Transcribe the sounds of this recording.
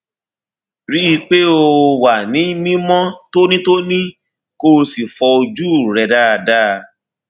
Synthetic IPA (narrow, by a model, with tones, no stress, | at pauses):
ɾi˦i˧k͡pe˦o˧wa˨nĩ˨˦mĩ˦mɔ̃˦to˦nĩ˦to˦nĩ˦ | ko˦si˨fɔ˧o˧d͡ʒu˦˨ɾɛ˧da˦a˧˨da˦˧